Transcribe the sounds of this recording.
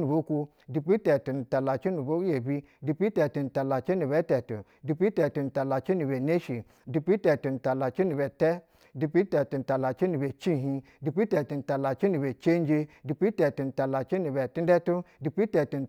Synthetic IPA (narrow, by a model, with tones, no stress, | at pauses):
nu˨bo˦ku˦ | di˨pi˦te˨tu˨n̩˨ta˨la˨t͡ʃi˦nu˨bo˦je˨bi˦ | di˨pi˦te˨tu˨n̩˨ta˨la˨t͡ʃi˦nu˨be˦te˨tṵ˨ | di˧pi˦te˨tu˨n̩˨ta˨la˨t͡ʃi˦nu˨be˨ne˦ʃi˨ | di˧pi˦te˨tu˨n̩˨ta˨la˨t͡ʃi˦nu˨be˨te˦ | di˨˧pi˦te˨tu˨n̩˨ta˨la˨t͡ʃi˦nu˨be˨t͡ʃi˦˨ɦĩ˧ | di˨pi˦te˨tu˨n̩˨ta˨la˨t͡ʃi˦nu˨be˨t͡ʃe˦n˦d͡ʒe˦di˨pi˦te˨tu˨n̩˨ta˨la˨t͡ʃi˦nu˨be˨ti˦n˦de˦tu˦di˨pi˦te˨tu˨n̩˨